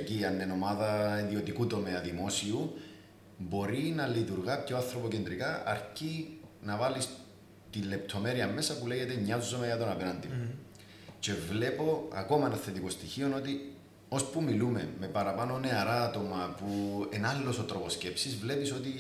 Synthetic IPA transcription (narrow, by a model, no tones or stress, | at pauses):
ciɐnːeno̞maðɐiðio̞t̪ikut̪o̞meɐðimo̞siu | bo̞ɾinɐlit̪uɾɣɐpcoaθɾopocend̪ɾikɐɐ̰ɾcinɐvalis | t̪ilːe̞p̚t̪ʰo̞me̞ɾiɐme̞sɐpuleʝe̞t̪eɲːɐzːomejɐt̪o̞nɐpenɐnd̪imo | ce̞vle̞po̞ɐ̰ko̞mɐenɐθe̞t̪iko̞st̪içio̞no̞t̪i | o̞spumilume̞mːe̞pɐɾɐpano̞ne̞ɐɾaːt̪o̞mɐpuenallːo̞sot̪ɾo̞po̞sce̞psizvle̞piso̞t̪i